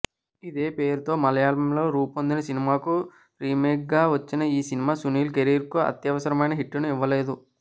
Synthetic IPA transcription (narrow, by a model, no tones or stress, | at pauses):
id̪e̞ːpe̞ːɾut̪o̞ːmɐlɐjaːlɐmlo̞ːɾuːpond̪inɐsinimaːku | ɾiːmeːk̚ɡaːʋɐt͡ʃːinɐiːsinimaːsuniːlkeɾiːɾkuɐ̰t̪jɐʋɐsɐɾɐmɐjnɐɦiʈːɐnuiʋːɐle̞ːd̪u